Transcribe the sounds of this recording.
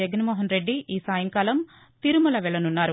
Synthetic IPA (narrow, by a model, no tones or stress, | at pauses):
ɐɡɐnɐmɔːɦɐnɾeɖːiʔiːsaːjɐŋkaːlɐm | t̪iɾumulɐʋɛɭɐnunːaːɾu